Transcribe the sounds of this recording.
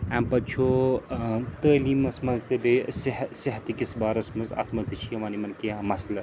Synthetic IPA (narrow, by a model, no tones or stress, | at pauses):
ɛmpɐt͡ʃʰo | t̪əːliːmɐsmɐzt̪ɐbesiɦsiɦɐt̪ikisbaːɾɐsmɐzɐ̰t̪ʰmɐt̪ʰɐt͡ʃʰijɐʋɐːnimɐnkiamɐslɐ